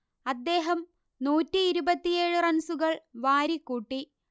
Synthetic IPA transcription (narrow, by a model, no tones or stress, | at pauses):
ɐd̪ːe̞ːɦɐm | nuːtːiːɾubɐt̪ːije̞ːɻɨrɐnsuɣɐɭʋaːɾikːuːʈːi